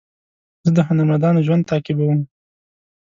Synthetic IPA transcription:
zəd̪əɦʊnaɾmand̪ɑnoʒwand̪̚t̪ɑːkɪbawəm

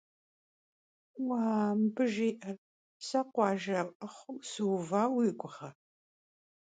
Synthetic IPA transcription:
waːmbɨʒiːʔɐr | sɐqʷɑːʒɐʔɐχʷʊmsɨwvaːwiːɡʷʼʊχɐ

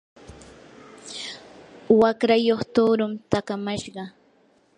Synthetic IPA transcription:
wakɾajoχt̪oːɾʊmt̪akamaʃɢɑ

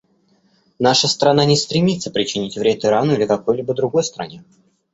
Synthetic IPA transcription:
naʂəst̪ɾɐnanʲɪst̪ɾʲɪmʲit̪sːə̥pɾʲɪt͡ɕɪnʲitʲvɾʲet̪ɪɾanʊilʲɪkɐko̞jlʲibəd̪ɾʊɡo̞jst̪ɾɐ̰nʲe̞

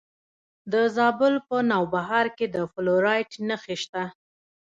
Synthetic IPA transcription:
d̪əzɑbʊlpənɑwbaɦɑɾked̪əfʊloɾɑjʈnaxeʃt̪a

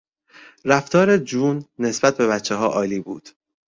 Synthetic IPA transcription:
ɾæft̪ʰɒːɾed͡ʒuːnːe̞sbæt̪̚be̞βæt͡ʃʰːeɦɒːʔɒːliːbṵːd̪̥

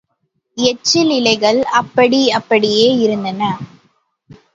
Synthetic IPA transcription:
ɛt͡ʃːɪlɪlɐɪɣɐɭɐpːɐɽiɐpːɐɽɪjeːɪɾɯnd̪ɐnɐ

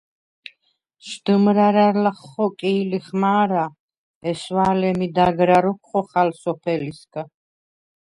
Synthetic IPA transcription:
ʃd̪̥ɨmɾaɾalaχɔkʼiːliχmaːɾa | ɛʃwaːlɛmid̪aɡɾaɾɔkʰχɔχalsɔpʰɛliskʼa

